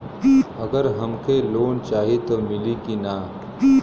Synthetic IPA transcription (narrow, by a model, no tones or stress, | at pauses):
ɐɡəɾɦɐmkeloːnt͡ʃaːɦit̪omɪlikina